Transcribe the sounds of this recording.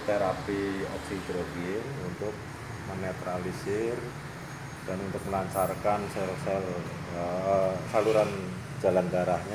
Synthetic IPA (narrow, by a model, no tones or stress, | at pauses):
t̪eɾapiɔp̚sid̪ɾobieunt̪ʊk̚ | mənet̪ɾalisɪr | d̥anunt̪ʊk̚məlaɲt͡ʃarkansɛsɛl | saluɾan̥ | d͡ʒ̥a̤lanɡaɾahɲa